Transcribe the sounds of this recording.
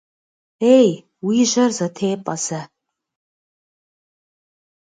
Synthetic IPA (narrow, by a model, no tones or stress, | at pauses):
ej | wiːʑɐrzɐtʰeːpʼɐzɐ